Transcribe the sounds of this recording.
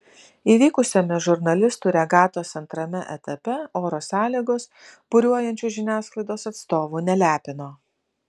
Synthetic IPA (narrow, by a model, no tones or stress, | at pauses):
iːʋʲiːkʊsʲɛmʲɛʒʊɾnɐlʲɪst̪uːɾʲɛɡɑːt̪oːsɐnt̪ɾɐmʲɛʔɛ̰t̪ɐpʲɛoːɾoːsɑːlʲiːɡoːs | b̥ʊɾʲuɔjɛnʲt͡ʃʲuːʒʲɪnʲæːsklˠɐɪd̪oːsɐt̪st̪oːʋuːnʲɛlʲæːpʲɪnoː